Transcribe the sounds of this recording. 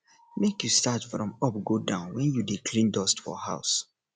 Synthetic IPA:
mekjustatfɹɔ̃mɔp̚ɡodãʊ̃nwɛ̃njudikʰlĩndɔstfɔ̰haʊs

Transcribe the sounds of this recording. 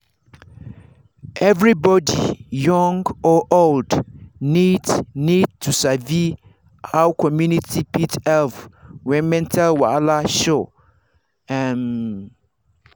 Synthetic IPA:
ɛvɾibɔdḭjɔ̃ŋɡɔʔoldnidnid̚tʰusavi | hawkʰɔmjũnitʰipʰitɛlfwɛ̃nmɛ̃ntʰalwalaʃo | ɛn

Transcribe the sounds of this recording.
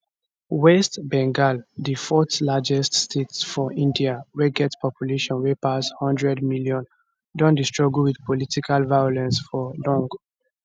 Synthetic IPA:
wɛstbɛ̃ŋɡaldifɔtlad͡ʒɛststʰetsfɔʔĩndiawɛɡɛtspɔpjuleʃɔ̃nwepashɔ̃ndɹɛdmiljɔ̃n | dɔ̃ndistɹɔɡulwidpɔlitikʰalvajɔlɛ̃nsfɔlɔ̃ŋɡ

